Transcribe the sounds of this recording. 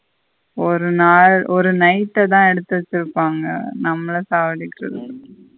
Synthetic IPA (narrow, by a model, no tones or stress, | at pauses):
ɔɾɯnaːɭɔɾɯnɐɪʈːɐt̪ãːɛɽɯt̪ːɯɐt͡ʃːɪɾɯpːaːŋɡɐ̰nɐmːɐɭɐsaːʋɐɽɪkːɪɾɐ̰ðɯ